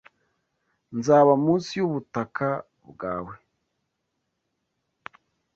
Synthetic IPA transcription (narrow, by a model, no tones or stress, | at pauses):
nzaːβamuːnsijuβutakʰa | bɡaːwe